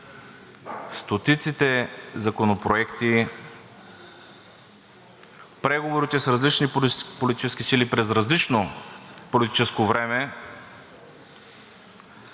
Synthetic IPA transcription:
st̪ot̪it̪sit̪ɛzɐkonopɾoɛkt̪i | pɾɛɡovoɾit̪ɛsɾɐzlit͡ʃnipolit̪it͡ʃɛskisilipɾɛzɾɐzlit͡ʃnopolit̪i̥t͡ʃɛskovɾɛmɛ

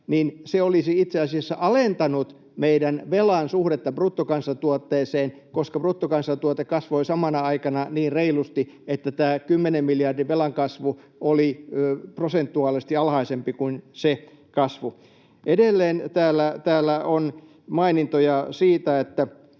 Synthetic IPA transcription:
niːnseolisiit̪seɑsiɑsːɑʔɑlent̪ɑnut̪ | meidænʋelɑnsuhɾet̪ːɑbrut̪ːokɑnsːɑt̪uot̪ːeːseːn | koskɑprut̪ːokɑnsɑt̪uot̪ekɑsʋoisɑmɑnɑɑikɑnɑniːnreilust̪i | et̪ːæt̪æːkymːenemmiljɑrdiʋelɑŋkɑsʋu | oliøprosent̪ːuɑːlist̪iɑlhɑisempikunse | kɑsʋu | edelːeːnt̪æːlːæt̪æːlːæon | mɑinint̪ojɑsiːt̪æet̪ːæ

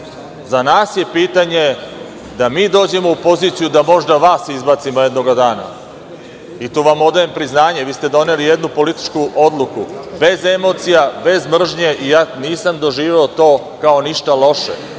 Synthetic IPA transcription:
zanaːsje̞piːt̪aɲe̞ | d̪amiːd̪o̞ːd͡ʑe̞mo̞upo̞ziːt̪sijud̪amo̞ʒd̪aʋaːsizbaːt̪simojed̪noɡad̪aːna̰ | it̪uːʋamo̞d̪ajempɾiznaːɲe̞ʋiːst̪ed̪o̞nelijed̪nupo̞lit̪i̥t͡ʃkuʔo̞d̪lˠukube̞ze̞mo̞ːt̪sijabe̞zmr̩ʒɲe̞ʔijaːniːsamd̪o̞ʒiːʋeot̪o̞ː | kao̞niʃt̪alo̞ʃḛ

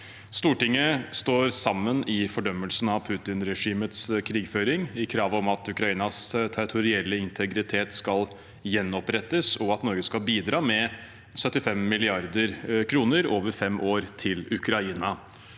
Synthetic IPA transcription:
st̪uːʈɪŋːəst̪oːɾsɑmːənɪfɔɖœmːəlsn̩ɑʋpʰʉːt̪ɪnɾɛʂiːmət̪skʰɾiːɡføːɾɪŋɪkʰɾɑːʋɔmɑt̪ʉkɾɑiːnɑst̪ʰæɾɪt̪ʰʊɾɪɛlːəɪnt̪ʰəɡɾɪt̪ʰeːt̪skɑl | jɛnːɔpɾɛt̪ːəsɔɑt̪nɔɾɡəskɑlbiːd̪ɾɑːmɛ | sœt̪ːɪfɛmːɪlɪɑɾd̪əɾkʰɾuːnəɾoːʋəɾfɛmʔoːɾt̪ʰɪlʉkɾɑiːnɑ

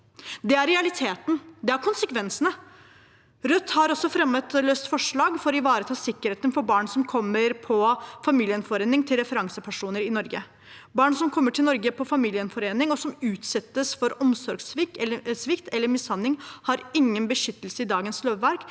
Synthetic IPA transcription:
d̪ɛæɾɾɛɑlɪt̪ʰeːt̪nd̪ɛæɾkʰʊnsəkʰʋɛnsənə | ɾœt̪ːhɑɾɔsɔfɾɛmːət̪løːst̪fɔʂɭɑːɡfɔɾɪʋɑːɾət̪ʰɑːsɪkːəɾheːt̪ənfɔɾbɑːɳsɔmkʰɔmːəɾpʰɔfɑmiːlɪənfɔɾeːnɪŋt̪ʰɪlɾɛfəɾɑŋsəpʰæʂuːnəɾɪnɔɾɡə | bɑːɳsɔmkʰɔmːəʈʰɪlnɔɾɡəpʰɔfɑmiːlɪənfɔɾeːnɪŋɔsɔmʉːt̪sɛt̪ːəsfɔɾɔmsɔɾɡsʋɪk̪ːəsʋɪkt̪ɛlːəɾmɪsɑnːɪŋhɑɾɪŋːənbəʃʏt̪ːəlsəɪd̪ɑːɡənsløːʋʋæɾk

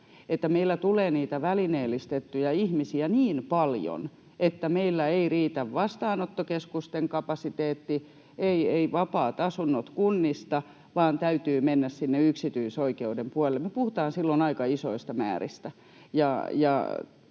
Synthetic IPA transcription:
et̪ːæmeilːæt̪uleːniːt̪æʋælineːlːˑist̪et̪ːujɑihmisiæniːnpɑljo̰n | et̪ːæmeilːæeiriːt̪æʋʋɑst̪ɑːnot̪ːokeskust̪eŋkɑpɑsit̪eːt̪ːi | eieiʋɑpɑːt̪ɑsunːot̪kunːist̪ɑ | ʋɑːnt̪æyt̪yːmenːæssinːeyksit̪yisoikeudempuɑlelːemepuhut̪ɑːnsilːonɑikɑisoist̪ɑmæ̰ːrḭst̪æ | jɑjɑ̰

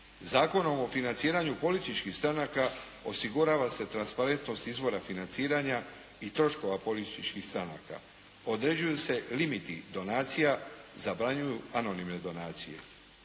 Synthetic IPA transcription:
zaːko̞no̞mo̞finant̪siːɾaɲupo̞lit̪it͡ʃkixst̪ɾanaka | o̞siɡuɾaʋase̞t̪ɾanspaɾe̞nt̪no̞st̪izʋo̞ɾafinant̪siːɾaɲa | it̪ɾo̞ʃko̞ʋapo̞lit̪t̪it͡ʃkixst̪ɾana̰ːka̰ | o̞d̪ɾe̞d͡ʑujuse̞limit̪id̪o̞naːt̪sija | zabɾaɲujuano̞nimne̞d̪o̞naːt̪sije̞̰

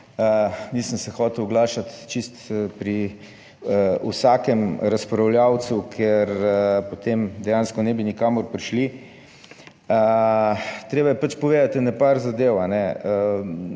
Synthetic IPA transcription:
ənisənsɛxɔːt̪ɛwɡlaːʃat̪t͡ʃist̪pɾi | əusaːkɛmɾaspɾawljaw̪sukʰɛɾpot̪emd̪ɛjanskɔnɛbinikaːmoɾpɾiʃli | ə | t̪ɾeːbajɛpat͡ʃpoʋeːd̪at̪nɛpaɾzad̪ewanɛə

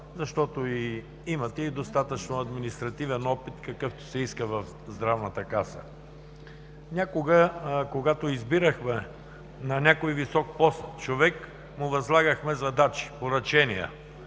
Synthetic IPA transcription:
zɐʃt̪ɔt̪oi | imɐt̪ɛid̪ost̪at̪ət͡ʃnoɐd̪minist̪ɾɐt̪ivɛnɔpit̪kɐkɤft̪o̥sɛiskəvɐf | zd̪ɾavnət̪əkasə̰ | nʲakoɡəkoɡat̪oizbiɾəxmɛ | nɐnʲakojvisɔk̚pɔst̪t͡ʃovɛk | mʊvɐzlˠaɡəxmɛzɐd̪at͡ʃi̥poɾɐt͡ʃɛnijə̰

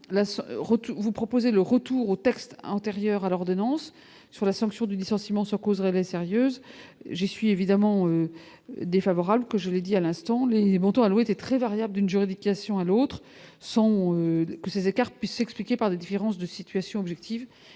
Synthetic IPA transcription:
lasʁət̪uvupχɔpozeləʁət̪uʁot̪ɛkst̪ɑ̰̃t̪eʁjœʁalɔʁd̪ɔnɑ̃sː | yʁlasɑ̃ksjɔ̃d̪ylisɑ̃simɑ̃sɑ̃kozʁelɛseʁjøːzʒisɥievid̪amɑ̃ø | d̪efavɔʁablkəʒəled̪ialɛ̃st̪ɑ̃lemɔ̃t̪ɔ̃alwɛet̪ɛt̪χɛvaʁjabləd̪ynʒyʁid̪ikʲasjɔ̃alot̪χ | sɑ̃økəsezekaʁpɥisːɛksplikʲepaʁd̪ed̪ifeʁɑ̃sd̪əsit̪ɥasjɔ̃ɔbʒɛk̚t̪ʰiv

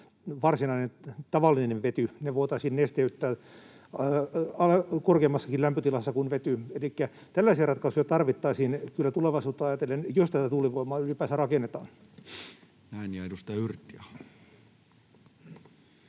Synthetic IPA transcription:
ʋɑrsinɑinent̪ɑʋɑlːineʋʋet̪yneʋoit̪ɑisiːnːest̪eyt̪ːæː | ɑkorkeːmːɑsːɑkilæmpøt̪ilɑsːɑkunʋet̪yelikːæ | t̪ælːæisiærɑt̪kɑsujɑt̪ɑrʋit̪ːɑisiːnkylːæt̪uleʋɑisuːt̪ːˑoɑjɑt̪elːenjost̪æt̪æt̪uliʋoimɑːylipæːsærɑkenːet̪ɑːn | næinjɑeɾust̪ɑjɑyrt̪ːˑiɑ

